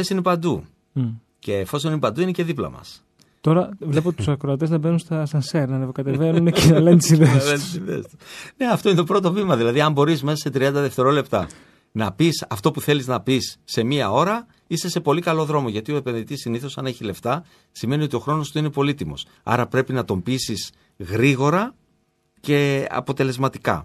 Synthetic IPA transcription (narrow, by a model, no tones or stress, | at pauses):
esinepɐnd̪u | ce̞ːfo̞s̬o̞ninepɐnd̪uinece̞ðiplɐ̰mɐ̰s | t̪o̞ɾɐvle̞pot̪u̥sɐkɾoɐt̪̬eznɐbenunst̪ɐst̪ɐnseɾnɐnevokɐt̪evenuncnɐlent̪isiðeslent̪isiðḛst̪u̥ne̞ɐft̪o̞inet̪o̞pɾo̞t̪o̞vimɐðilɐðiɐmbo̞ɾizme̞sɐse̞t̪ɾiɐnd̪ɐðe̞ft̪e̞ɾo̞le̞pt̪ɐ | nɐpisɐft̪o̞puθe̞liznɐpisːe̞miɐo̞ɾɐ | ist̪e̞se̞po̞likɐlo̞ðɾo̞mo̞ʝɐt̪io̞epe̞nðit̪isːiniθo̞sɐne̞çile̞ft̪ɐ | sime̞nio̞t̪io̞xɾo̞no̞st̪uine̞po̞lit̪imo̞̰s | ɐ̰ɾɐpɾe̞pinɐt̪o̞mbisis | ɣɾiɣo̞ɾɐ | ce̞ɐ̰po̞t̪e̞le̞zmɐt̪ikɐ̰